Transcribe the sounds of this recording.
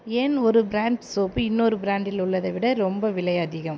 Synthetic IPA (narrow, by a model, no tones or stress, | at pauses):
enɔɾɯbɪɾaːɳɖsoːpːɯɪnːoːɾɯbɾaːɳɖɪlʊɭːɐðɐʋɪɽɐɾɔmbɐʋɪɭɐjɐðɪɣɐm